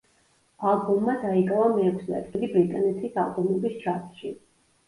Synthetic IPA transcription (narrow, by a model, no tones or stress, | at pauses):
alˠɡɔmːad̪aiɡavamɛːkʷʰslɛ̰t̪ʰɡilibɾit̪ʼanɛt̪ʰisa̰lˠbɔmɔbist͡ʃʰat̪ʃi